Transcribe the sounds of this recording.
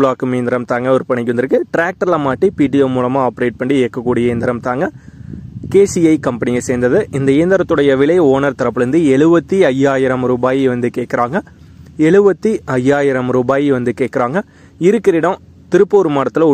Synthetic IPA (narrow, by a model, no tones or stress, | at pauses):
ɭaːkɯmeːnd̪ɪɾɐmt̪aːŋɡɐɔɾɯpɐɳːɪkːʋɐnd̪ɪɾɯkːɯʈɪɾaːk̚ʈɐɾlɐmaːʈːipiːʈ̬iɛːmuːlɐmaːaːpɐɾeːʈ̚pɐɳɖieːkːɐkːuːɽɪjɐeːnd̪ɪɾɐmt̪aːŋɡɐ | keːsiɐɪkɐmpɐnɪjɐseːnd̪ɐðɯʔɪnd̪ɐeːnd̪ɪɾɐt̪ːɯɽɐjɐʋɪɭɐɪoːnɐɾt̪ɐɾɐpːɯlɯnd̪ɯɛɭɯʋɐt̪ːiɐjːaːjɪɾɐmɾuːbaːjiʋɐnd̪ɯkeːʈkɪɾaːŋɡɐ | ɛɭɯʋɐt̪ːiɐjːaːjɪɾɐmɾuːbaːjiʋɐnd̪ɯkeːʈ̚kːɪɾaːŋɡɐ | ɪɾɯkːɪɾɪɽɐ̃ | t̪ɪɾɯpːoːɾɯmɐːɽɐt̪ːɪlɐʊ